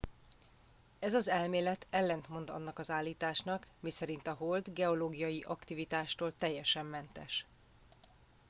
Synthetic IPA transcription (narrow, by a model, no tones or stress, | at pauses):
ɛzɒzɛlmeːlɛt̪ɛlːɛnt̪mo̞nd̪ɒ̰nːɒkɒzaːlːiːt̪aːʃnɒkmisɛɾint̪ɒɦo̞ld̪ɡɛo̞loːɡijɒjiʔɒkt̪ivit̪aːʃt̪oːlt̪ɛjːɛʃɛmːɛnt̪ɛʃ